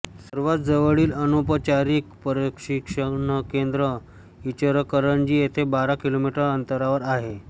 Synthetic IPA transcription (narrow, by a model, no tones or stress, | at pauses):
səɾʋat̪d͡zəʋəɭiːlənopət͡ɕaɾiːk̚pəɾekʂikʂənəkend̪ɾə | it͡ɕəɾkəɾənd͡ʑiːjet̪ʰebaɾakilomiʈəɾənt̪əɾaʋəɾaɦe